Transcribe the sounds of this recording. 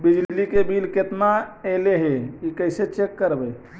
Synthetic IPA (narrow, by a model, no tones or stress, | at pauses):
bid͡ʒllikebilket̪naeleɦeikəɪset͡ʃekːəɾbɛ